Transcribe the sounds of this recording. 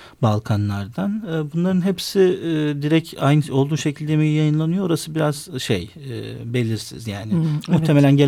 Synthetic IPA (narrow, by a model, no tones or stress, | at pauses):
balˠkʰanlˠaɾd̪anːbunlˠaɾɯnɦepsɪd̪iɾɛcʰajnɯo̞lˠd̪uːʃe̞cʰilʲd̪emijjajɯnlˠanɯjooɾasɯbiɾazʃḛj | ɛ̰be̞lʲiɾsḭzjaːnɪmuxt̪ʰe̞me̞lʲænɟe